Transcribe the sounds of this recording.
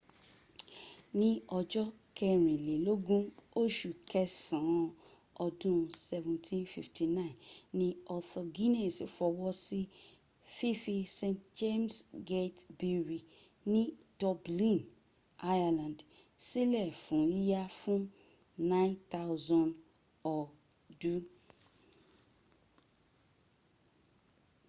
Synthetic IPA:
nĩ˦ɔ˨d͡ʒɔ˦ | kʰɛ˨ɾĩ˨le˨lo˦ɡũ˦o˦ʃu˨kɛ˦sã˨ | ɔ˨dũ˦˨sɛ˨vũ˨ntʰĩ˦nfḭ˨ftʰi˨nã˦ĩ˨nːĩ˦ɔ˨θɔ˨ɡi˦nɛ̃˦˨si˨fɔ˨wɔ˦si˦ | fi˦fi˧sẽ˦˨ntd͡ʒe˦msɡe˦tbi˦˨ɹi˨ | nɪ̃˦d̥ɔ˨blĩ˦n | a˦ja˨lã˨nd | si˦lɛ˨fʊ̃˨ji˦a˦fʊ̃˦m | nã˦ɪ̃nt̪ʰa˦ʊzɔ̃˨n | ɔ˨ | du˦

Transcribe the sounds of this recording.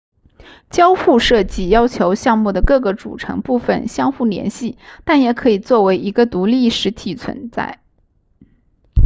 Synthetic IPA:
t͡ɕjɑ˥ʊfu˥˧ʂɤ˥˩t͡ɕi˥˩jɑ˥ʊt͡ɕʰjo˧˥ʊɕjɑ˥˧ŋmu˥˩d̪ə˩kɤ˥˩ɡə˩ʈ͡ʂṵ˨˩ʈ͡ʂʰɤ̰˧˥ŋpu˥˩fə̰˨˩nɕjɑ˥ŋxu˥˩ljɛ̰˧˥nɕi˥˩t̪a˥˩njɛ˨˩kʰɤ˧˥i˨˩t͡swɔ˥˩we˧˥ɪʔi˧˥ɡə˧t̪u˧˥li˥˩ʂɻ̩˧˥t̪ʰi˨˩t͡sʰwə̰˧˥nt͡sa̰˥˩ɪ

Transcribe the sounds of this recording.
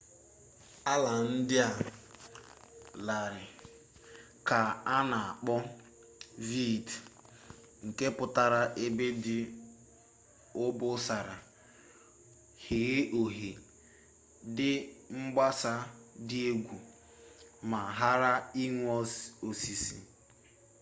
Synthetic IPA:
a˦la˨n̩˦dɪ˦a˨ | la˨ɾɪ˨ | ka˨a˦na˨a˨k͡pɔ˦ | vi˦˨d | ŋ̩˨ke˦pʊ˨ta˨ɾa˨ʔe˦be˦dɪ˦ | ʊ˦bʊ˦sa˨ɾa˨ | he˨ɣe˦ʔo˨ɦe˨ | dɪ˦ŋ͡m̩˦ɡ͡ba˦sa˦dɪ˦e˦ɡʷu˨ | ma˨ɦa˦ɾa˦i˦ŋʷɔ˦so˨si˨si˨

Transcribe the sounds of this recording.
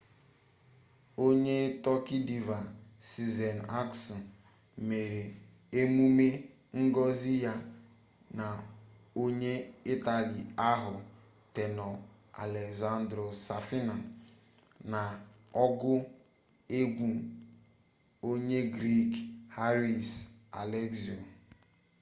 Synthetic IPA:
o˦ɲe˦tɔ˦ki˦di˨va˨si˨ze˨na˦ksɔ˨ | me˨ɾe˨ | e˦mu˦me˦ | ŋ̩˦ɡɔ˦zi˦ja˦ | na˨ | o˦ɲe˦i˦ta˨li˨a˦ɦʊ˨ | te˨nɔ˨ | a̰˨le˨kza˦n˦dɾo˨sa˨fi˦na˨ | na˨ | ɔ˦ɡʊ˦ | e˦ɡʷu˨ | o˦ɲe˦ɡɾi˦kha˦ɾi˨sa̰˨le˦ksi˨o˨

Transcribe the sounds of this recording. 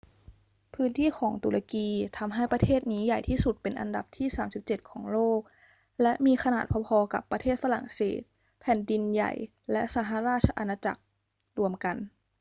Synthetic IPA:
pʰɯː˦˥nt̪ʰiː˥˩xʰɔː˩˦ŋt̪u˨˩ɾʔa˧kiː˧t̪ʰa˧mɦa˥˩jpɾa˧t̪ʰeː˥˩t̪̚niː˦˥ja˨˩jt̪ʰiː˥˩su˨˩t̪̚pe˧nʔa˧nda̰˨˩p̚t̪ʰiː˥˩saː˩˦msi˨˩p̚t͡ɕe˨˩t̪̚kʰɔː˩˦ŋloː˥˩k̚ | lɛ˦˥ʔmiː˧xa˧naː˨˩t̪̚pʰɔ˧pʰɔː˧ka̰˨˩pːɾa˧t̪ʰeː˥˩t̪̚fa˧ɾa̰˨˩ŋsḛː˨˩t̪̚ | pʰɛː˨˩˦ndi˧nja̰˨˩j | lɛ˦˥ʔsaː˨˦ɦa˧˦ɾaː˥˩t̪̚t͡ɕʰa˧ʔa˧naː˧t͡ɕa̰˨˩k̚ | ɾu˧əmka˧n

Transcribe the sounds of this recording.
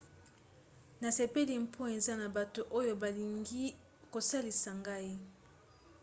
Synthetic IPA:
na˨se˨pe˦li˨m̩˦pʰɔ˦e˨za˦na˨ba˨to˨ʔo˦jo˨ba˨li˨ŋɡi˦ | ko˨sa˦li˨sa˨ŋɡa˦i˦

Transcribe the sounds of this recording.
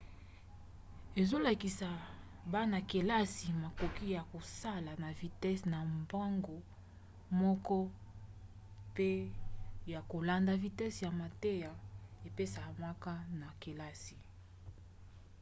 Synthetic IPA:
e˨zo˦la˨ki˨sa˨ | ba˦na˨ke˨la˦si˨ma˨ko˨ki˦ja˨ko˨sa˦la˨na˨vi˨tɛ˦sna˨mba˦ŋɡo˨ | mɔ˦kɔ˦ | pe˦ | ja˨ko˨la˨nda˨vi˨tɛ˦sja˨ma˨te˦ja˨e˨pe˦sa˨ma˦ka˦na˨ke˨la˦si˨

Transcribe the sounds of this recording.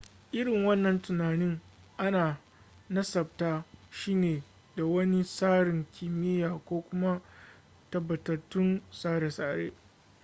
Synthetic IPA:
ʔɪ˦ɽɪ˨ŋwɐ˦nːɐ˨ntʊ˨naː˨nɪ˦ŋʔa˦naː˨ | nɐ˦sɐ˨b̚taː˦ʃiː˦neː˨ | da˨wɐ˦ni˦saː˦ɽɪ˨ŋkʲʰɪ˨mɪ˦jaː˨kʷoː˦kʷʊ˦ma˦ | tɐ˨bːɐ˨tɐ˨tːʊ˦nsaː˦ɽe˨saː˨ɽeː˦

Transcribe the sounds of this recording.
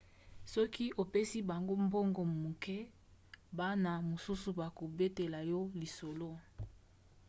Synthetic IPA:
sɔ˦ki˦ʔo˨pe˦si˦ba˨ŋɡo˦mbo˦ŋɡɔ˨mu˨kɛ˦ | ba˦na˨mo˨su˦su˨ba˨ko˨be˦te˨la˨jɔ˦li˨so˨lo˦

